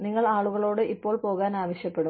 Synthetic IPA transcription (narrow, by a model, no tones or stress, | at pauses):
niŋːɐɭaːɭuɣɐɭo̞ːɽɨʔipːo̞ːɭpo̞ːɣaːnaːʋɐɕjɐpːe̞ɽu